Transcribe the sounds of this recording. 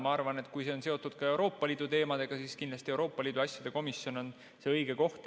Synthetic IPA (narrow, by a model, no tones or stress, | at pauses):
mɑɑrvɑne̞t̪ˑkujse̞o̞nse̞o̞t̪ːˑud̪̥kɑe̞wɾo̞ːpˑːɑliːd̪̥ut̪e̞ːmɑd̪̥e̞ɡ̥ɑsiːskind̪lɑst̪ie̞wɾo̞ːpːˑɑliːd̪̥uɑsʲjɑd̪e̞ko̞misjono̞n | se̞ɤjɡ̥e̞ko̞ht̪